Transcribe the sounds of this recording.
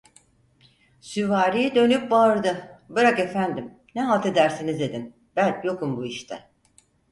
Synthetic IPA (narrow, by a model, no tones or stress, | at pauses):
syvaːɾijid̪ø̞nypbaɯɾd̪ɯbɯɾake̞fænd̪im | nɛɦalˠt̪ʰe̞d̪æɾsinizd̪e̞d̪in | b̥ælʲjo̞kumbuiʃt̪ʰɛ